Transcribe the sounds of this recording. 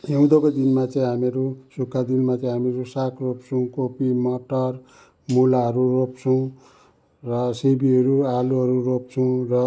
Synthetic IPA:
jew̃d̪okod̪inmat͡sʌĩɦameɾusukʰːad̪inmat͡sʌĩɦamiɾusakʰropt͡sʰʌw̃kopimʌʈʌr | mulaɦʌɾurop̚t͡sʰʌw̃ | rʌsebiɦʌɾualuɦʌɾurop̚t͡sʰʌw̃rʌ

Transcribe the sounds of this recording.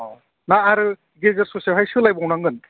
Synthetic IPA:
ɔ | naːɾɯ | ɡezɯɾsɔsiaɦajsɯlajbɔwnaŋɡɯn

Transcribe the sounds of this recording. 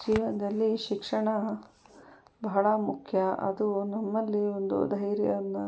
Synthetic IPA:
d͡ʒiːʋɐnɐd̪ɐlːiʃikʂɐɳɐ | bɐɦɐɭɐmukʰjɐɐ̰d̪unɐmːɐlːio̞nd̪ṵd̪ʱɐjɾjɐ̰ʋɐnːu

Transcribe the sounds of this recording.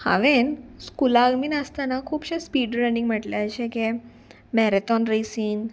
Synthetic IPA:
ha̰ʋenskulaɡmiːnəst̪anakʰuːpɕespiːɖɾənĩŋɡm̤əʈleəɕeke | mɛɾet̪ɔnɾesiːn

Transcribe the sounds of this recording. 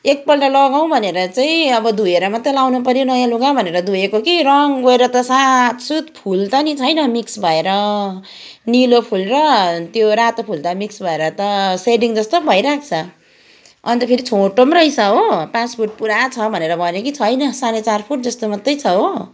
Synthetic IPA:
ek̚pʌlʈalʌɡaw̃bʱʌneɾʌt͡saĩʌbʌd̪ujeɾʌmʌt̪ːʌjlawnup̬ʌɾjonʌjãluɡabʱʌneɾʌd̪ujekokiɾʌŋɡoeɾʌt̪ʌsat̪sut̪pʰult̪ʌnit͡sʰʌjnʌmiksbʱʌeɾʌ | nilopʰulrʌt̪joɾat̪opʰult̪ʌmiksbʱʌeɾʌt̪ʌseɖiŋd͡zʌst̪obʱʌjɾak̚ʰt͡sʰʌ | ʌnt̪ʌpʰeɾit͡sʰoʈomrʌjsʰʌɦopaspʰurʈ̚puɾat͡sʰʌbʱʌneɾʌbʱʌnjokit͡sʰʌjnʌsanet͡sarpʰuʈ̚d͡zʌst̪omʌt̪ːʌjt͡sʰʌɦo

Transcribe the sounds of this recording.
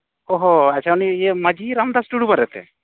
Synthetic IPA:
ɔɦoat͡ʃʰaunieməd͡ʒiɾamd̪asʈuɽubaɾɛt̪ɛ̰

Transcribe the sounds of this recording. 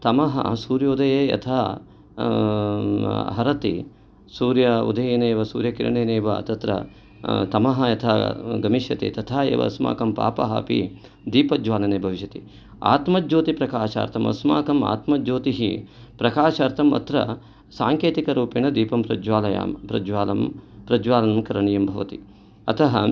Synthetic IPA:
t̪ɐmɐɦɐ̰suːɾjɐud̪ʱɐjeːjɐ̰t̪ʰaː | ɦɐɾɐt̪ḭ | suːɾjɐṵd̪ʱɐjeːneːʋɐsṵːɾjɐkḭɾɐɳeːneːʋɐ̰t̪ɐt̪ɾɐ̰ | t̪ɐmɐɦɐjɐt̪ʰaːɡɐmiʃjɐt̪ḭt̪ɐt̪ʰaːḛːʋɐ̰sma̰ːkɐmpa̰ːpɐɦɐ̰pḭ | d̪iːpɐd͡ʒʋaːlɐneːbʱɐʋiʃɐt̪i | a̰ːt̪mɐd͡ʒoːt̪ipɾɐkaːʃa̰ːɾt̪ʰɐmɐ̰sma̰ːkɐma̰ːt̪mɐd͡ʒoːt̪iɦḭ | pɾɐkaːʃɐːɾt̪ʰɐmɐ̰t̪ɾɐ̰ | saːŋkeːt̪ikɐɾuːpinɐd̪iːpɐmpɾɐd͡ʒʋaːlɐja̰ːmpɾɐ̰d͡ʒʋaːlɐmpɾɐd͡ʒʋaːlɐnɐmkɐɾɐɳijɐmbʱɐʋɐt̪i | ɐ̰t̪ʰɐɦɐ̰

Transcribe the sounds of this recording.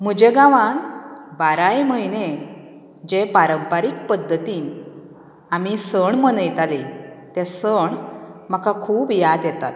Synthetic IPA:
m̤əd͡ʑeɡaʋanbaɾajməɦine | d͡ʑepaɾəmpaɾikpəd̪ʱːət̪iːn | amisəɳmənəjt̪alet̪esəɳm̤akakʰuːbjad̪jɛt̪at̪̚

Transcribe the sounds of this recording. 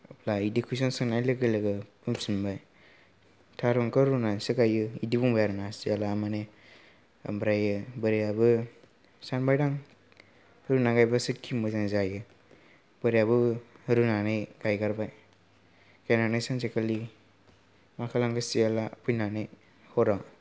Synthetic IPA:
plaidikʰujs̬ɔnsɯŋnajlɯɡɯlɯɡɯpɯmsinbaj | tʰaɾɔŋkɯɾunansɯkajɯidibuŋbajaɾunasialaːmane | a̰mbɾajɯbɯɾijabɯ | sanbajdaŋ | ɾunaɡajbasɯtkʰimɯzaŋzajɯ | bɯɾijabɯɾunanɯjɡ̥ajɡaɾbaj | kajnanajsaŋzekʰali | makʰalaŋɡɯsialapʰujnanɯj | hɔɾa

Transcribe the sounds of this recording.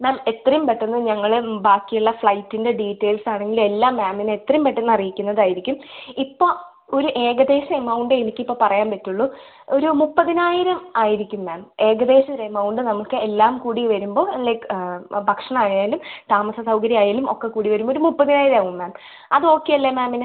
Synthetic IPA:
maːme̞t̪ːrɐjumpeʈːunːɐðɨɲɐŋːɐɭbaːkːijuɭːɐfɭɐjtːinde̞ɖiːtːe̞ːlsaːɳe̞ŋɡilme̞lːaːmːaːminet̪ːrɐjumpeʈːunːɐrijikʲːunːɐðaːjiɾikʲːumipːo̞ː | o̞ɾuʔeːɡɐd̪e̞ːɕɐemɐwɳɖɨenikʲːipːo̞ːpɐrɐjaːnpɐtːuɭːu | o̞ɾumupːɐðinaːjiɾɐmaːjiɾikʲːumːaːme̞ːɡɐd̪e̞ːɕɐɾemɐwɳɖɨnɐmːuɭkɨelːaːmkuːɽiʋɐɾumbo̞ːelːebʱɐkʂɐɳɐaːjajilumt̪aːmɐsɐsɐwkɐɾiaːjalumo̞̰kːe̞kːuːɽiʋɐɾumboɾumupːɐðinaːjiɾɐmaːɣummaːm | ɐðɨo̞ːkːejɐlːemaːminɨ

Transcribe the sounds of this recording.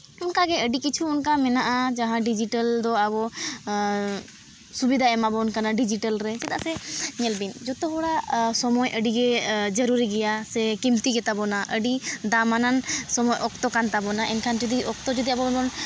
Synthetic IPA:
unkaɡɛəɖikit͡ʃʰuːnkamɛnaʔad͡ʒaɦãɖid͡ʒiʈəld̪ɔabɔ | subid̪ʱaɛmabɔunkanaɖid͡ʒiʈəlɾɛsɛd̪aʔsɛɲɛlbind͡ʒɔt̪ɔɦɔɽasɔmɔjʔəɖiɡɛd͡ʒəɾuɾiɡɛjasɛkimt̪iɡɛt̪abɔnaʔəɖid̪amanansɔmɔjʔɔkt̪ɔkant̪abɔnaʔɛnkʰand͡ʒid̪iʔɔk̚t̪ɔd͡ʒid̪iabɔbɔn

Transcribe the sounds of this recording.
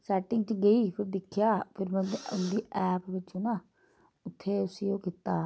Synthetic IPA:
sɛːʈɪŋɡt͡ʃəɡəiːpʰɪɾd̪ɪkʰɪjaːpʰɪɾmɛ̃ʊnd̪iːʔɛːpʋɪt͡ʃoːnãː | ʊt̪ʰːeːʊsiːõːkɪt̪aː

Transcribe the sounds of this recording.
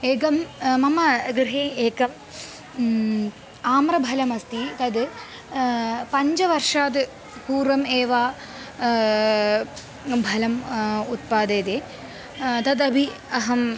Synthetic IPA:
eːkɐmːɐmːɐɡɾɨɦeːeːkːɐm | aːmrɐbʱɐlɐmɐst̪it̪ɐd̪ɨ | pɐɲd͡ʑɐʋɐrʂaːd̪ɨ | kuːrʋɐmeːʋaː | bʱɐlɐmut̪̚paːd̪eːd̪eː | t̪ɐd̪ɐbʱi | ɐɦɐm

